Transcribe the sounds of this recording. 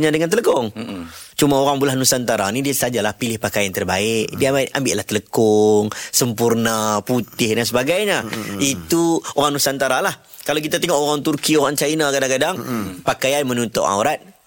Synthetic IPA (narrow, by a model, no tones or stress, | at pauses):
ɲãdəŋant̪ələkɔŋt͡ʃumaoɾaŋbulahnusant̪aɾanidisad͡ʒalahpilɪhpakajant̪ərbaɪʔdiaʔambɪʔlaht̪ələkɔŋsəmpurnaput̪ɪhdansəbaɡajɲait̪uoɾaŋnusant̪aɾalah | kalawkit̪at̪ɛŋɔʔoɾaŋt̪urkioɾaŋt͡ʃainakadaŋkadaŋpakajanmənunt̪ɔ̰ʔa̰wɾat̪̚